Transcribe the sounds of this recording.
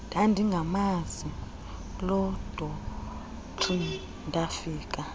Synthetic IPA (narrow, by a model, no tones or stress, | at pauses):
d̥ʱʼandʱiŋɡʱamazi | lɔd̥ʱɔ | ǃʰi | ndʱʼafiːkʼa